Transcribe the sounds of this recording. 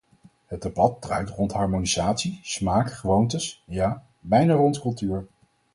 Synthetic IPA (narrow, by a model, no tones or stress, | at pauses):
ɦəd̚debɑt̚drœ̰ɥtrɔntɦɑɹmonizaːtsismaːkχəʋowntəsjaː | bɛjnaːrɔntkɵlˠtyːɹ